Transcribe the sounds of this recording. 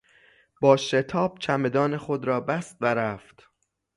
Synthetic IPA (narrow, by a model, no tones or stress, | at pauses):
b̥ɒːʃe̞t̪ʰɒːb̥̚t͡ʃʰæme̞d̪ɒːnexod̪ɾɒːbæst̪væɾæft̪